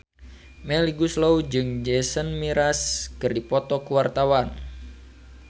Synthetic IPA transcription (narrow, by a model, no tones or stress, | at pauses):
mɛliɡuslowd͡ʒɨŋd͡ʒɛsənmiɾaskɨrdipɔt̪ɔkuwart̪awan